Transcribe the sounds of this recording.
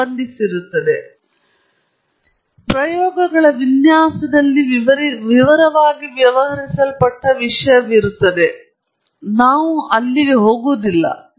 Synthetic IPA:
ɐnd̪ʱisiɾut̪ːɐd̪e | pɾɐjoːɡɐɡɐɭɐʋinjaːsɐd̪ɐlːiʋiʋɐɾɐʋaːɡiʋjɐʋɐɦɐɾisɐlpɐʈːɐʋiʂɐjɐʋiɾut̪ːɐd̪e̞ | naːʋuʔɐlːiʋeɦo̞ːɡuːd̪ilːɐ̰

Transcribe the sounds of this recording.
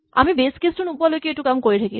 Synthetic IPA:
a̰mibeskesʈunupːalokieʈukamkoɾit̪ʰaki

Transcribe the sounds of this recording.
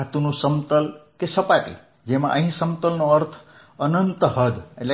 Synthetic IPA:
at̪unusəmt̪əlkesəpat̪ḭ | d͡ʒema̰ʔəɦĩsəmt̪əlnoəɾt̪ʰ | ənənt̪ɦəd̪ele

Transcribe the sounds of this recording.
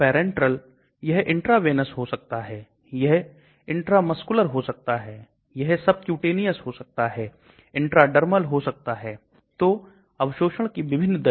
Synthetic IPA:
pɛːɾɛ̃ɳʈɾəl | jɐɦʔɪ̃ɳʈɾaːʋeːnəsɦosɐk̚t̪aɦɛː | jɐɦ | ɪ̃ɳʈɾamɐskʊləɾɦosɐk̚t̪aɦɛː | jɐɦsɐb̚kjuːʈeːnijəsɦosɐk̚t̪aɦɛː | ɪ̃ɳʈɾaɖɐɾməlɦosɐk̚t̪aɦɛː | t̪oː | ɐʋʃoːʃəɽ̃kiʋɪbʱɪnːd̪ɐ

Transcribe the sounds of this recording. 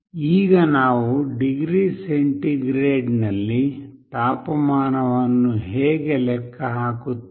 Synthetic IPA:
iːɡɐnaːʋuɖiɡɾiːseɳʈiɡɾeːɖnɐlːit̪aːpɐmaːnɐʋɐnːuɦeːɡelɛkʰːɐɦaːkut̪ː

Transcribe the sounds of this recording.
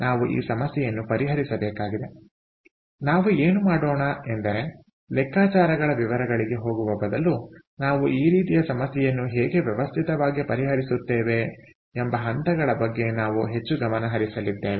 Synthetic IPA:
naːʋuʔḭːsɐmɐsjɛjɐnːupɐɾiɦɐɾisɐbɛːkaːɡid̪e̞ | naːʋueːnumaːɽoːɳɐɛnd̪ɐɾe̞ | lɛkːaːt͡ʃaːɾɐɡɐɭɐʋiʋɐɾɐɡɐɭiɡe̞ɦo̞ːɡuʋɐbɐd̪ɐlːu | naːʋuʔiːɾiːt̪ijɐsɐmɐsjɛjɐnːuɦeːɡe̞ʋjɛʋɐst̪ʰit̪ɐʋaːɡipɐɾiɦɐɾisut̪ːeːʋe̞ː | mbɐɦɐnt̪ɐɡɐɭɐbɐɡːe̞naːʋuɦe̞t͡ʃːuɡɐmɐnɐɦɐɾisɐlid̪ːeːʋe

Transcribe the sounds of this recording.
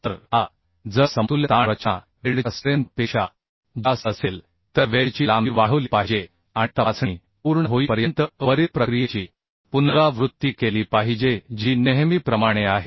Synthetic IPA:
t̪əɾa | d͡zəsəmt̪uljət̪aɾət͡ɕã̰ | ʋeɽəsɾenpeɕa̰ | d͡ʑasəsel | t̪əɾʋeɭt͡ɕiːlamiʋaɦolipaɦid͡ʑe | aɽ̃it̪aat͡sɳi | puɾɳəɦoipəɾjənt̪əʋəɾiɾpɾəkɾijet͡ɕiː | punɾaʋɾut̪ːikeliːpaɦid͡ʑed͡ʑiːneɦmiːpɾəmaɽ̃eaɦe

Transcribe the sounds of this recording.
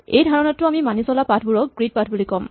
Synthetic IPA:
ḛjdʱaɹɔnɔttːʊamimanisɔlapatʰbuɹɔk̚ɡɹit̚patʰbulikɔm

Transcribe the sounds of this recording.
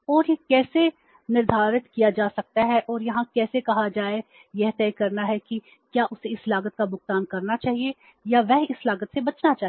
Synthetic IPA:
ɔːɾjekɛːse | nɪɾd̪ʱaːɾɪt̪kijad͡ʒaːsɐk̚t̪aɦɛʔɔːɾjɐɦãkɛːsekɐɦad͡ʒaːe | jɛɦt̪ɛːkɐɾnaɦɛki | kjaːʔʊseɪslaːɡət̪̚kabʊɡt̪aːnkɐɾnat͡ʃaːɦie | jaʋɛɦɪslaːɡət̪sebɐt͡ʃnat͡ʃaːɦ

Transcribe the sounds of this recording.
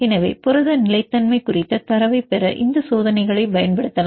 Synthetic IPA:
ɛnɐʋḛːpʊɾɐðɐnɪlɐɪt̪ːɐnmɐɪkʊrɪt̪ːɐt̪ɐɾɐʋɐɪpɛɾɐʔɪnd̪ɐsoːðɐnɐɪɣɐɭɐɪbɐjɐnpɐɽɯt̪ːɐlã

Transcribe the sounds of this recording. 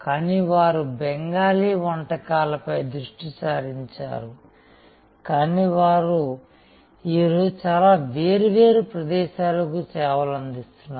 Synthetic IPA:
kaːniʋaːɾubɛŋɡaːliːʋɐɳʈɐkaːlɐpɐjd̪ɾuʂʈit͡ʃaːɾiɲt͡ʃa̰ːɾu | kaːniːʋaːɾu | iːɾoːd͡ʒut͡ʃaːlaːʋeːɾuʋeːɾupɾɐd̪ɛːʃaːlɐkut͡ʃɛːʋɐlɐnd̪ist̪unːa

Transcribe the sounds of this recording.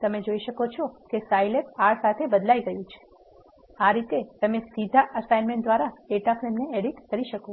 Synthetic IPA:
t̪əmed͡ʒoiʃəkot͡ʃʰɔkesajlep̚aɭsat̪ʰebəd̪laiɡəjũt͡ʃʰe̥ | aɾit̪et̪əmesid̪ʱaʔəsajnmẽɳʈd̪ʋaɾaeʈafɾemneeɽiʈkəɾiʃəko

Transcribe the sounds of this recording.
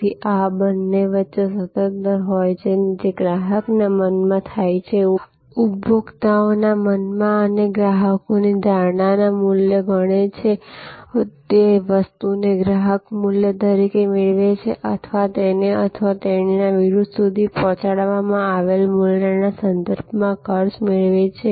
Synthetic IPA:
iʔabənːeʋətːʃesət̪ət̪ɦɔjt͡ʃʰed͡ʒeɡɾaɦəknamənmãt̪ʰajt͡ʃʰe | uboɡt̪aonamənmãəneɡɾaɦəkonid̪ʱaɾɳanamuljəɡʱəɽ̃et͡ʃʰe | t̪eʋəst̪uneɡɾaɦəkmʊljəd̪əɾikemeɭʋet͡ʃʰeʔət̪ʰəʋat̪eneət̪ʰəʋat̪ennaʋiɾud̪ʱsud̪ʱipɔ̃t͡ʃaɽʋamãaʋelmulnanasənd̪əɾbʱmãkʰəɾʃmeɭʋet͡ʃʰe

